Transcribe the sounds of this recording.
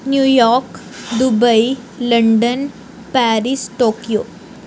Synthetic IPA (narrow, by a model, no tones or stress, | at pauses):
njujɔɾk | d̪ubəi | ləɳɖən | pæɾisʈokijo